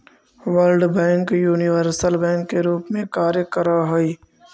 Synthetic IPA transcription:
ʋəlɖbɛ̃ːŋkjuːniʋəɾsəlbɛ̃ːŋkːeɾuːpmẽkaːɾjəkəɾaɦoi

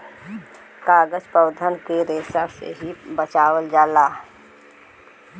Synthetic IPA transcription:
kaːɡəd͡ʒpəwd̪ʱənkeɾeːsasḛɦibət͡ʃaːwəld͡ʒaːlaː

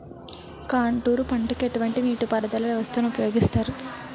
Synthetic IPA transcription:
kaːɳʈuːɾupɐɳʈuke̞ʈuʋɐɳʈiniːʈupɐɾɐd̪ɐlɐeʋɐst̪uːnɐupɐjo̞ːɡist̪aːɾu

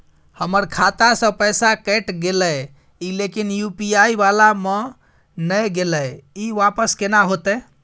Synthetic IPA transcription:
həməɾkʰat̪asə̃pəjsakɛʈɡeləj | ilekinjupiaibalame | nəjɡeləjiʋapəskenaɦot̪ɛ

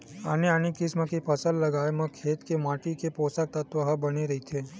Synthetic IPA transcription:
aneanikɪsmãkipʰəsəlləɡajmãkʰeːt̪kemaʈikeposak̚t̪ət̪ʋəɦəbəniɾəɦit̪ʰe

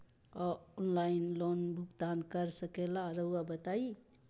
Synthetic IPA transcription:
ɔɔnlainlonbʱuɡt̪ankəɾsəkelaɾəwwabət̪ai

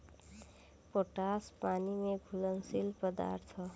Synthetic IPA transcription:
poːʈaːspaːnimẽɡʱʊləŋsilpəd̪a̰ːɾt̪ʰɔ

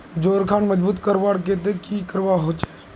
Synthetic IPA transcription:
d͡ʒoːɾkʰaːnməd͡ʒbuːt̪kəɾʋaːɽket̪ekikəɾʋaɦoːt͡ʃe̥

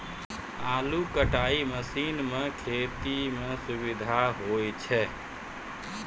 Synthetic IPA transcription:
aːlukəʈaːiməsiːnmẽkʰeːt̪imẽsʊbɪd̪ʱaɦoːjt͡ʃʰɛ

